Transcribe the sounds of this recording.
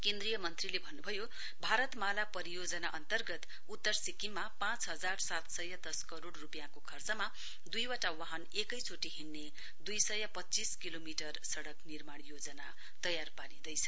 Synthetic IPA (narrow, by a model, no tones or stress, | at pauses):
kẽnd̪rijʌmʌnt̪rilebʱʌnːubʱʌjo | bʱaɾʌt̪malapʌɾijod͡zʌnaʔʌnt̪ʌrɡʌt̪ | ut̪ːʌrsikimːapãt͡sɦʌd͡zarsat̪sʌjad̪ʌskʌɾoɽrupjãkokʰʌrt͡sʌma | d̪ujwaʈawaɦʌnekʌjt͡sʰoʈiɦinːe | d̪ujsʌjapʌːt͡siskilomiʈʌrsʌɽʌknirmaɽ̃jod͡zʌna | t̪ʌjarpaɾĩd̪ʌjt͡sʰʌ̥